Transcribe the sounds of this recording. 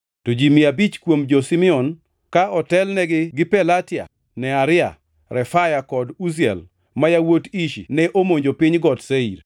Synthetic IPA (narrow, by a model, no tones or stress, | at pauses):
tod͡ʒimiabit͡ʃkwomd͡ʒosimɪɔn | kaɔtɛlnɛɡɪɡɪpɛlatɪa̰ | nɛaɾɪa̰ | ɾɛfajakɔdus̬iɛ̰l | majawotiʃinɛʔomoɲd͡ʒopiɲɡɔtseḭɾ